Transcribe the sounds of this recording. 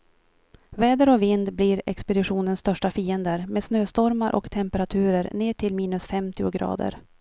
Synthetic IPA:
vɛːd̪əɾɔvɪnd̪bliːɾɛ̰kspɛd̪ɪɧuːnənst̪œʂʈafiːənd̪əɾmeːd̪snøːst̪ɔɾmaɾʔɔ̰kt̪ʰɛmpɛɾat̪ʰʉ̟ːɾəɾneːʈʰɪlmiːnɵsfɛmt̪ɪʊɡɾɑ̰ːd̪ə̰ɾ

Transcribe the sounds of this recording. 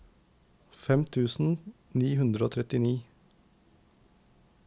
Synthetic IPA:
fɛmt̪ʰʉːsn̩ | niːhʉnd̪ɾəoːt̪ʰɾɛt̪ɪniː

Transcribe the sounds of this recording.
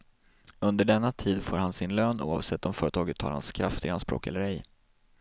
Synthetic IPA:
ɵnd̪əɖɛnːat̪ʰiːd̪foːɾhansɪnløːnṵːa̰vsɛt̪ːɔmfœːɾət̪ʰɑːɡət̪hɑ̰ɾha̰nskʰɾaft̪ɪɡanspɾo̰ːkɛ̰lːəɾɛj

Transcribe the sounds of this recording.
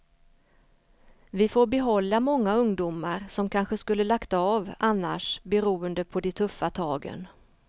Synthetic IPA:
vɪfoːɾbɛɦɔlːamɔŋːaɵŋd̪umaɾsɔmkʰanɧəskɵlːəlakt̪aavanːa̰ʂbɛɾuːənd̪əpʰɔd̪ɛt̪ʰɵfːat̪ʰɑːɡə̰n

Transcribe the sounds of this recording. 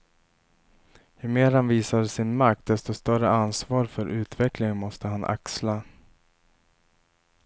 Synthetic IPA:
jɵmeːɾhanviːsad̪əsɪnmakt̪̚d̪ɛst̪ɔst̪œrəansvɑːɾfœɾʔʉ̟ːt̪vɛklɪŋmɔst̪əɦanʔa̰ksla

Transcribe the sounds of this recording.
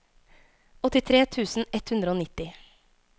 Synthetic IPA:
ɔt̪ɪt̪ʰɾeːt̪ʰʉːsn̩ɛt̪hʉnd̪ɾəoːnɪt̪ːɪ

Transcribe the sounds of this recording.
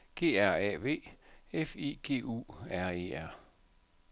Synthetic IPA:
ɡ̥e̝̰ːæɐ̰ɛʋe̝̰ːefḭːɡ̥e̝̰ːṵæɐ̰e̝ːæɐ̰

